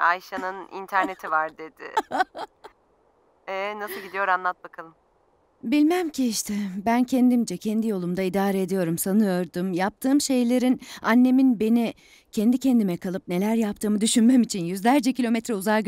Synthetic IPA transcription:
ajʃanɯnḭnt̪ʰæɾne̞t̪ʰivaɾd̪ed̪ɪ̰ | ɛnasɯlˠɡɟid̪ijo̞ɾanlˠat̪̚bakʰalˠɯm | bilʲmæmcʰiiʃt̪ʰɛbæncʰend̪imd͡ʒɛcʰɛnd̪ijo̞lˠumd̪aid̪aːɾɛːd̪ijo̞ɾumsanɯjo̞ɾd̪umjap̚t̪ʰɯːmʃe̞jlʲe̞ɾinanːe̞minbe̞ni | cʰend̪icʰend̪imɛkʰalˠɯp̚ne̞lʲæɾjapt̪ɯːmɯd̪yʃynmɛmit͡ʃʰinjyzlʲæɾd͡ʒɛcʰilʲo̞mɛt̪ɾɛuzaj

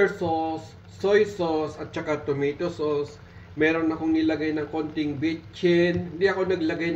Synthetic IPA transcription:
sosː | ojsosɐt̪̚t͡ʃɐkat̪omit̪osos | mɛːɾo̞nɐkoŋnɪlɐɡajnɐŋkont̪ɪŋbit͡ʃɪnɪnd̪iɐko̞nɐɡlɐɡajn

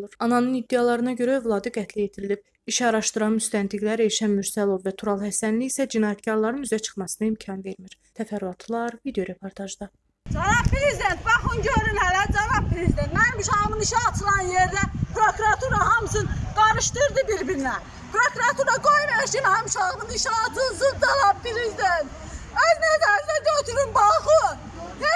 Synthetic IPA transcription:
uɾɑnɑnɯnid̪ːejɑlˠɑɾɯnɑɟø̞ɾæøvlˠɑːd̪ɯɡæt̪ʰlijet̪ʰiɾilib̥̚ | iʃɑɾɑʃt̪ɯɾɑnmyst̪ænt̪ʰiɡlæɾeʃænmyɾsælˠovvæt̪ʰuɾɑlˠhæsænliːsæd͡ʒinɑːjæt̪cɑɾlˠɑɾɯnyzæt͡ʃʰɯ̥χmɑsɯnɯimcʰɑnve̞ɾmiɾ̥t̪ʰæfæɾɑt̪ʰlˠɑɾvid̪ejo̞ɾe̞pʰo̞ɾt̪ʰɑʒd̪ɑ | d͡ʒɑnɑb̚pɾezid̪ent̪̚bɑχɯnɟøɾynhælæd͡ʒɑnɑb̚pɾezid̪ent̪mænmyʃɑmɯniʃɛɑt͡ʃ̪ʰɯlˠɑnjeɾd̪æpʰɾokuɾɑt̪ʰuɾɑɦɑmsɯnd̪̥ɑnɯʃt̪ɯɾd̪ɯbiɾbiɾinæ | pʰɾokuɾɑt̪ʰuɾɑɡojmeʃinhɑmʃɑɣmɯniʃɛːt̪ʰɯzɯɾd͡ʒ̪ɑlˠɑppiɾezid̪ent̪̚ | øzned̪æzd̪æd͡ʒøt̪ʰyɾynbɑlxɯn | ne

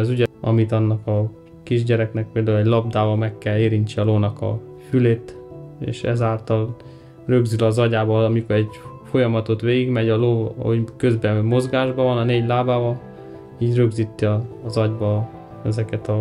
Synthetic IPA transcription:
zyɟɛɒmit̪ɒnːɒkɒ | kiʒɟɛɾɛknɛk̚peːld̪aːulɛɟlɒbd̪aːbɒmɛkːɛleːɾint͡ʃiɒloːnɒkɒ̰ | fyleːt̪ḛːʃɛ̰zaːlt̪ɒl | rø̞ɡzylɒzɒɟaːbɒɒmikoɾɛɟfo̞jɒmɒt̪o̞t̪ʋeːɡiɡmɛɟɒlo̰ːokø̞zbɛmo̞zɡaːʒbɒvɒnɒneːɟlaːbaːvɒl | iːɟrø̞ɡzit̪ːiɒːzɒɟbɒ | ɛzɛkɛt̪ɒ

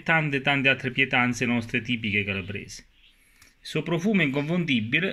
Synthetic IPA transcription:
t̪ant̪ɪt̪ant̪ɪalt̪ːɾɪpjɛt̪ant̪senɔst̪ɾet̪iːp̬ikekalabɾḛːsɪ̥ | supɾofuːmiŋkoɱfund̪ibːilɪ

